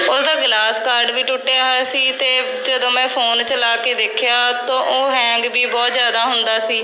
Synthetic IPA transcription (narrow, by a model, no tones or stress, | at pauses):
ʊsd̪aːɡlaːskaːɾɖʋiːʈʊʈːjaːɦɛːsiːt̪eː | d͡ʒəd̪õːmɛ̃ːpʰoːnt͡ʃəlaːkeːd̪ekʰɪjaːt̪õːʔoːɦɛ̃ːŋɡbiːbɔːt̪zjaːd̪aːɦʊnd̪aːsiː